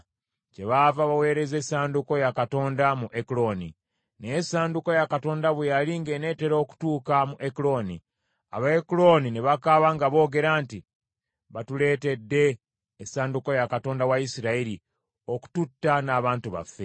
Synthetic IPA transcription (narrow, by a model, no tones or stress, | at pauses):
ce̞βavaβawe̞ːɾe̞zesaːnduko̞jakato̞ːndamuʔekulo̞ni | neesaːnduko̞jakato̞ːndaβejaliŋɡe̞ne̞ːteɾo̞ːku̥tuːkamuʔekulo̞ni | a̰βaekulo̞nine̞βakaβaŋɡaβo̞ːɡe̞ɾanti | βatule̞ːte̞dːe̞ː | saːnduko̞jakato̞ːndawaisiɾaiɾi | o̞ku̥tutːanaːβaːntuβa̰fːe̞